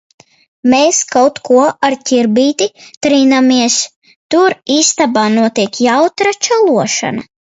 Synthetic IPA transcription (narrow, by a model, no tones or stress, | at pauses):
meːskawt̪kʰuɔaɾcʲiɾbiːt̪it̪ɾiːnamiɛs | t̪uɾiːst̪abaːnuɔt̪iɛkjawt̪ɾat͡ʃalˠuɔʃa̰na̰